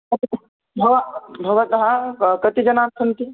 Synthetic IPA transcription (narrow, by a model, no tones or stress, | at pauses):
kɐt̪i | bʱɐʋabʱɐʋɐt̪ɦãkɐt̪id͡ʒɐnaːsʰɐnt̪i